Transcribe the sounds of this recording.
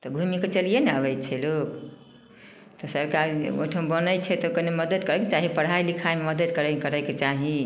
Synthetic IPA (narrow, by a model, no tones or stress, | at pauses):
t̪ɔɡʱumiket͡ʃəlijeneabət͡ʃʰɛlok | t̪ɔsəɾkaɾo̰ʈʰəmbənəjt͡ʃʰɛt̪ɔkəneməd̪əd̪kəɾɛket͡ʃaɦipəɽ̤ajlikʰajmeməd̪əd̪kəɾəkəɾəket͡ʃaɦi